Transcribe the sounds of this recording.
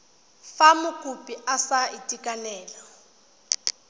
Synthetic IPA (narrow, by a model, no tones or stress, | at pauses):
famʊkʼupʼiʔasaitʼikʼanɛːla